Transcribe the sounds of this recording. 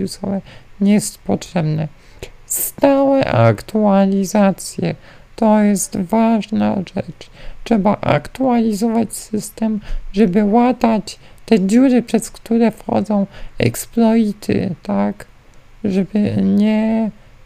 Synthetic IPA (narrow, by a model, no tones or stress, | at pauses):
usɔ̰wɛɲɛst̪pɔtʂɛbnɛ | st̪awɛʔa̰kt̪ualʲizat̪sʲjɛ | t̪ɔjɛst̪vaʐna̰ʐɛ̰t͡ʂtʂɛbaʔa̰kt̪ualʲizɔvat͡ɕsɘst̪ɛmʐɛbɘwat̪at͡ɕ | t̪ɛd͡ʑuɾɘpʂɛskt̪uɾɛfxɔ̰d̪zɔ̃w̃ɛ̰ksplɔit̪ʰɘ̰t̪ak | ʐɛbɘɲɛ